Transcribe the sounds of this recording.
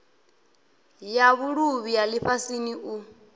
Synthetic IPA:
jaβuɺuβijaliɸasiniʔu

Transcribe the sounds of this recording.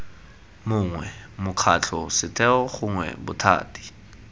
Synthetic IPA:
mʊŋwɛmʊkʰat͡ɬʰɔsɪtʰɛɔχʊŋwɛ̰bʊ̰tʰa̰ːtʼi̥

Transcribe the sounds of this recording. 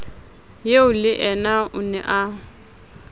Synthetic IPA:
jeʊlɪʔɛnaʔʊnɛ̰ʔa

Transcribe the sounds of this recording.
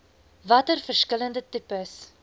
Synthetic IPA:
vɐtərfərskələndətypəs

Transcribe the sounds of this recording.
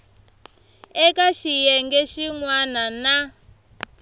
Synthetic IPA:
ɛkaʃijɛŋɡɛʃiŋwanana

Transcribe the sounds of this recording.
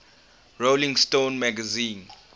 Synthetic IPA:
ɹolĩŋstõnmaɡazĩːn

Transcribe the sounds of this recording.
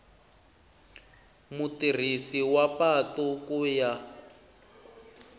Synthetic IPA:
mutir̤isiwapatɔkuja

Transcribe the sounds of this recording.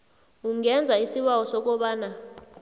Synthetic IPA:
uŋɛnd͡zʱaisiɓawɔsɔk̬ɔɓaːna

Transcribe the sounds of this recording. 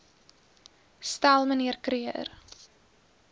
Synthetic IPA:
stælˠməniərkriər

